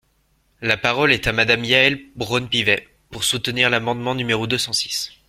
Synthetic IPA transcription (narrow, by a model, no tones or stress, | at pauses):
lapaʁɔlɛt̪amad̪amjaɛlbʁɔnpivɛ | puʁsut̪niʁlamɑ̃d̪mɑ̃nymeʁod̪øsɑ̃si̥s